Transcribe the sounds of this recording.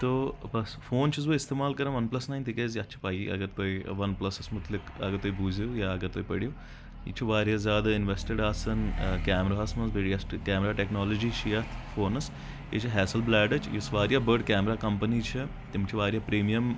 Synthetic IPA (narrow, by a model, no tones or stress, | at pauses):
t̪oːbɐsfoːnt͡ʃʰizʋoːist̪eːmaːlkɐɾãʋɐnplɐsnaːjnt̪ʰikeːziɐtːt͡ʃʰi̥paːjiʔɐ̰ɡɐɾt̪oːiʋɐnplɐsɐsmʊt̪lɪkɐ̰ɡɐɾt̪oːibuːzjojaːɐɡɐɾt̪oːipɐɽijoː | jḭt͡ʃʰiʋaːɾjaːzʲjaːd̪ɐɪnʋesʈeɖaːsɐnkʲaːmɾaːɐsmɐsbeːɖijɐsʈkʲɛːmɾaːʈeknaːloːd͡ʒiːʃʰijɐt̪ʰfoːnɐs | et͡ʃʰiɦɛːsɐlblɛːɖɐt͡ʃʰjisʋaːɾjaːbəɾɖkʲɛːmɾaːkɐmpənit͡ʃʰi | t̪imt͡ʃʰiʋaːɾʲjaːpɾiːmijɐm